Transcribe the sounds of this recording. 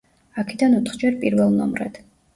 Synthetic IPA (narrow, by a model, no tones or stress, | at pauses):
akʰɛd̪anut̪χd͡ʒɛɾpʼiɾvɛlˠnɔ̰mɾɛ̰d̪̥